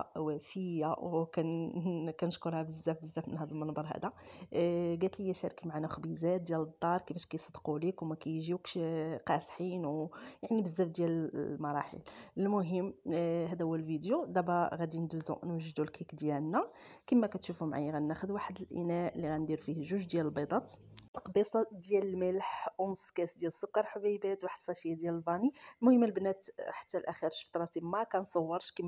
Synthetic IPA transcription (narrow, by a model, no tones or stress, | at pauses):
wæfəjːawkænkænəʃkʊɾˤhæbəzːæfbəzːæfmənhæd̪əlmənbɑɾˤɦæ̰d̪a | ɡæt̪ləjːæʃæɾkimaʕanæxbizæt̪̚d̪jæld̪ˤːɑɾˤkifæʃkæjsˤəd̪qulikwmækæjʒikʃqɑsħinwjaʕnibəzːæfd̪jæləmɑɾˤɑħə̰ləlmʊɦəmːɦæd̪æhʊwəlvid̪jod̪æbæɣæd̪ind̪uzṵʔnwæʒːd̪ulkʰikd̪jælnækəmːækæt̪ʃufumʕa̰jəɣænːæxəd̪waħəd̪əlʔḭnæʔlːiɣænd̪iɾfihʒuʒd̪jæləlbɑd̪ˤɑt̪ | əlqɑbisˤɑd̪jæləlməlħʔunskæsd̪jæləsːʊkːɑɾˤħbibæt̪wħə̥sˤːɑʃijːæd̪jæləlbɑnilmʊhəmːəlbnæt̪ħḁt̪ːælʔæxiɾʃu̥ft̪ɾˤɑt̪imækænsˤəwːəɾˤʃkəm